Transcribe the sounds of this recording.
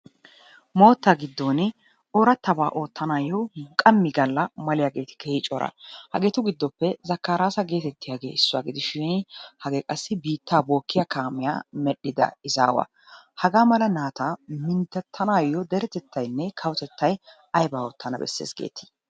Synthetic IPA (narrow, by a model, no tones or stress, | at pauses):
mo̞ːt̪ːaːɡɪd̪ːonɪ | ɔɾɐt̪ːɐbaːʔo̞ːt̪ːɐnaːjːɔkʼɐmːɪɡɐlːɐmɐlɪjaːɡe̞ːt̪ɪ̥keːhɪt͡ʃʼɔɾɐ̰hɐ̰ɡeːt̪ʊɡɪd̪ːɔpːɛzɐkːaːɾaːsɐɡe̞ːt̪ɛt̪ːɪjaːɡe̞̰ːɪsːʊwa̰ːɡɪd̪ɪʃɪnhɐɡeːkʼɐsːɪbiːt̪ːaːbo̞ːkːɪjakaːmɪja̰ːmɛɗɪd̪ɐ̰ɪza̰ːwɐ̰ | hɐɡaːmɐlɐnaːt̪amɪnt̪ːɛt̪ʰːɐnaːjɔd̪ɛɾɛt̪ɛt̪ːɐjnːɛkʰɐwt̪ɛt̪ːɐj | ɐjbaːɔːt̪ʰːɐnɐbɛ̰sːḛːsɡe̞̰ːt̪ːɪ̥